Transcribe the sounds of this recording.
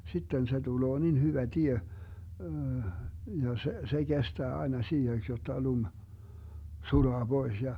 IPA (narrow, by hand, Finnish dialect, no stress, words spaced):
sitːen se tuloː nin hyʋæ tie jɑ se se ɡ̊estæː ɑenɑ siːheks jotːɑ lum sulɑː b̥ois jɑ